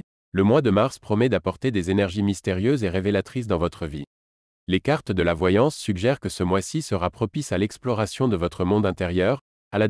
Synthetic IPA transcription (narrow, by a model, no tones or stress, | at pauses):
ləmwad̪əmaʁspχɔmɛd̪apɔʁt̪ed̪ezenɛʁʒimist̪eʁjøzeʁevelat̪χis̬d̪ɑ̃vɔt̪χəvi | lekaʁt̪d̪əlavwajɑ̃sːyɡʒɛʁkəsəmwasisəʁapχɔpisalɛksplɔʁasjɔ̃d̪əvɔt̪χəmɔ̃d̪ɛ̃t̪eʁjœːʁ | ala